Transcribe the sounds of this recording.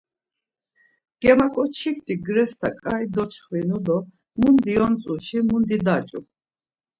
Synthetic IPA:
ɡ̥ɛmakʼɔt͡ʃʰikʰt̪ʰiɡɾɛst̪ʰakʼaid̪ɔt͡ʃʰχvinud̪ɔ | mund̪iɔnt͡sʼuʃimund̪id̪at͡ʃʼṵ

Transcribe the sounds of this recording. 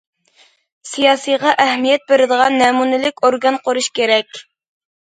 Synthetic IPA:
sijɑːsɨjʁɑʔæhmijɛt̪̚beɾɪd̪əʁɑnːɛmunɪlɪkʲoɾɡɑnqʰoɾuʃkʲeɾɛkʲ

